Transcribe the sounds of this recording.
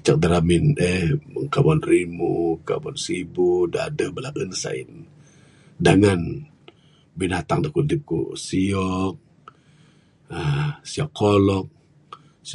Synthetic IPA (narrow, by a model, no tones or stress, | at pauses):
t͡ʃak̚daɾaminehəŋkabɔnrimuka̰bɔnsibudaadəhbəlablənsa̰ḭn | daŋan | binat̪aŋdakudip̚kṵsiɔk̚ | əsiɔkʰːɔlɔk̚ | s